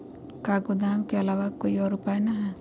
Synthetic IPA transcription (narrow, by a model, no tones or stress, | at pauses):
kaɡod̪amkeɐlaʋakoːiɔːɾupajnaɦɛ